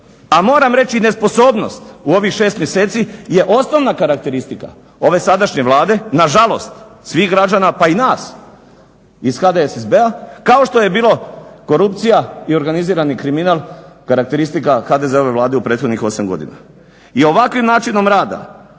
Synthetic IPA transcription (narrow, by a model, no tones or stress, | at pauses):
amo̞ːɾamɾe̞t͡ɕine̞spo̞so̞ːbno̞st̪uo̞ʋixʃe̞ːst̪mjese̞ːt̪sije̞ʔo̞sno̞ʋnakaɾak̚t̪e̞ɾist̪ika̰ | o̞ʋe̞sad̪aʃɲe̞ʋlˠaːd̪e̞naʒalo̞st̪sʋiːɣɡɾad͡ʒanapainaːs | isxad̪esezbeakao̞ʃt̪o̞je̞biːloko̞ɾup̚t̪sijaio̞ɾɡaniziːɾanikɾiminaːlˠkaɾakt̪e̞ɾist̪ikaxad̪e̞zeo̞ʋe̞ʋlˠaːd̪eupɾe̞ːt̪xo̞d̪ɲixo̞samɡo̞̰d̪ḭna̰ | io̞ʋakʋimnaːt͡ʃino̞mɾaːd̪a̰